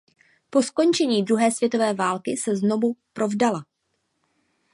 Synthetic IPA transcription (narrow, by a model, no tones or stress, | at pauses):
po̞sko̞nt͡ʃɛɲiːdɾuɦɛːsvjɛt̪o̞vɛːvaːlkɪsɛzno̞vupɾo̞vdala